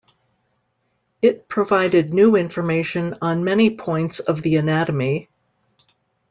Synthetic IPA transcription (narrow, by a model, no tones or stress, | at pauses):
ɪt̚pʰɹ̥ɨvaɪɾɨdⁿnʉɪ̃ɱfə˞meɪʃɨ̃nə̃nmɛnipʰɔ̃ɪ̃ntsʌvðiɨnæɾəmi